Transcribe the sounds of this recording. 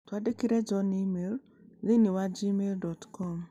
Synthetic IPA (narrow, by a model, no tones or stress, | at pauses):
twadekiɾɛd͡ʒɔnimel | zeniwad͡ʒimeldɔtkʰɔm